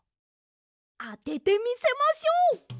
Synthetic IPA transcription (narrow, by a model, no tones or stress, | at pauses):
aɖ̪eɖ̪emĩsemɔ̃sio